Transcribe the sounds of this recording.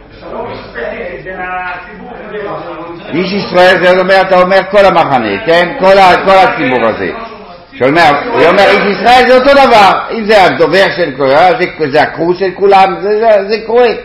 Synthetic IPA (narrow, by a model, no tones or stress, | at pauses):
iʃ̬isʁaɛlzɛt̪omɛʁat̪aomɛʁkɔlamaχanḛkɛnkolakolat͡sibuʁa̰zḛ | ʃaomɛʁomeʁiʃisʁaɛlzɛot̪od̪avaʁimzɛad̪ovɛʁʃɛlkoeʁazɛkzɛakʁuʃɛlkulamzɛzɛkoʁɛ